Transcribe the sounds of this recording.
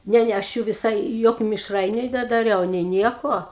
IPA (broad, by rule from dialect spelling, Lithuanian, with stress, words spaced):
ˈnʲɛ ˈnʲɛ ɐʃ ˈjuː ʋʲɪˈsɐɪ ˈjoːkʲʊ mʲɪʃˈrɐɪnʲʊ nʲɛdɐˈrʲɛʊ nʲɛɪ ˈnʲiɛkoː